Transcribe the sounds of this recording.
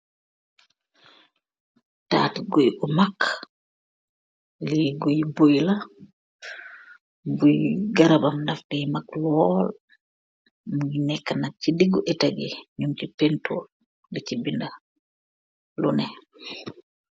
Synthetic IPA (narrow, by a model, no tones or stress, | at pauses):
ta̰ːtɡojʔɔmak | liɡujbojla | bujɡaɾabamndafdɛjmaklɔl | muŋɡinɛkːanak̚t͡ʃidiɡuʔɛtaɡiɲumt͡ʃipɛntʰɔl | dit͡ʃibinda | lunɛ